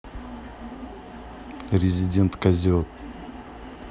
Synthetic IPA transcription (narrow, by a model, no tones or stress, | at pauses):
ɾʲɪzʲɪdʲe̞nt̪kɐzʲiot̪̚